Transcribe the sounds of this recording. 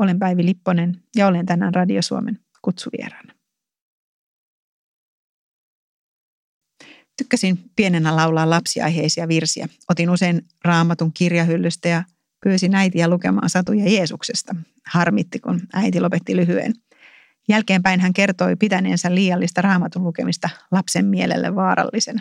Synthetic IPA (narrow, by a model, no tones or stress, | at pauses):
o̞lempæjʋilipːone̞njɑolent̪ænːæ̰nrɑdiosuomen | kut̪suʋḭḛɾɑnːɑ | t̪ykːæsinpienenːælɑwlɑːlɑpsiɑ̰jɦejsiɑʋirsiæ̰ | o̞t̪inuse̞jn | rɑːmɑt̪uŋkirjɑɦylːyst̪æjɑ | pyːsinæjt̪iæluke̞mɑ̰ːnsɑt̪ujɑje̞ːsukse̞st̪ɑ | hɑrmit̪ːikunæjt̪ilo̞pe̞t̪ːilyɦyḛn | jælke̞ːmpæinɦæŋke̞rt̪o̞jpit̪æne̞̰ːnsælːiːjɑlːist̪ɑrɑːmɑt̪ullukemist̪ɑlɑpsemːielḛlːʔḛʋːɑːɾɑ̰lːisen